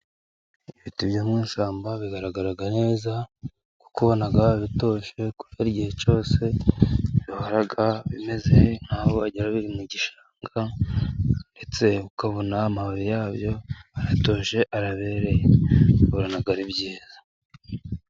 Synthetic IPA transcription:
ifitiβjoːmŋiːnsaːmbaβiɡaɾaɡaɾaɡane̞ːza | ku̥kuβo̞naɡaβito̞ːʃe̞ku̥βaɾiɟihe̞t͡ʃo̞ːse̞ | johoɾaɡaβime̞zehn̥haːwoaɟiɾaβiimuɟiʃaːŋɡa | nde̞t͡se̞ukaβonaːmaβaβijaːβjo̞aɾato̞ːʃe̞ʔaɾaβe̞ɾejeβoɾonaɡaɾibɟiːzḁ

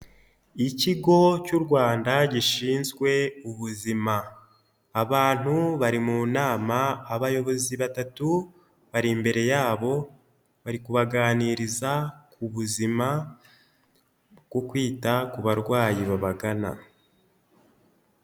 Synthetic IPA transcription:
iciɡo̞cuɾɡwaːndaɟiʃiːnzɡwe̞uβuzimaː | βaːn̥huβaɾimunaːmaːβajo̞βo̞ziβatatu | βaɾimbe̞ɾe̞jaːβo̞ | βaɾikuβaɡaːniɾizakuβuzima | bɡwokwiːtakuβaɾɡwaːjiβaβaɡana̰

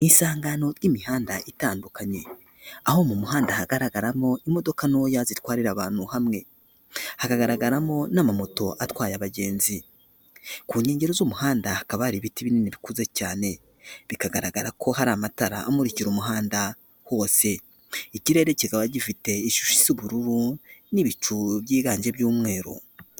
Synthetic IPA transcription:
insaːŋɡano̞ɾjimihaːndaʔitaːndukaɲe̞ | aho̞mumuhaːndahaɡaɾaɡaɾamo̞imo̞do̞kanojazitwaːɾiɾaβaːn̥huhamŋe̞ | hakaɡaɾaɡaɾamo̞namamoto̞ʔatwaːjaβaɟe̞ːnzi | kuːɲe̞ːɲɟe̞ɾozumuhaːndahakaβaɾiβitiβininiβikuze̞caːne̞ | βikaɡaɾaɡaɾakʰo̞haɾamataɾa̰ʔːmuɾiciɾumuɦaːnda | ho̞ːse̞ | iciɾe̞ːɾe̞ciɡaβaɟifite̞iʃu̥ʃi̥z̥uβuɾuɾuniβit͡ʃuβjiːɡaːɲʒe̞bjuːmŋe̞ːɾo̰

